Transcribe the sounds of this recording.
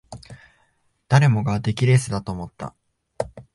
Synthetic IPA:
d̪̥aɾe̞mo̞ɡad̪e̞kʲiɾe̞sɨd̪at̪o̞ːmo̞t̪ːa̰

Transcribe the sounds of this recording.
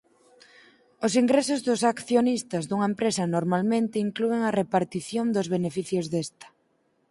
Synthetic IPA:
ʊsiŋɡɾesʊzðʊsakθjonist̪azðuŋɐempɾesɐnoɾmalmẽnt̪ɪiŋklueŋɐrepaɾt̪iθjond̪ʊzβenefiθjozðest̪ɐ̥

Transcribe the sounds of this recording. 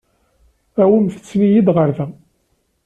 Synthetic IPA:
æwəmθə̥t͡sːnijid̪ʁəɾðæ

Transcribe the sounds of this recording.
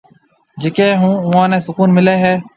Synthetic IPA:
d͡ʒɪkeːɦũːʊːãːnɛ̃ːsʊkuːnmɪleːɦɛː

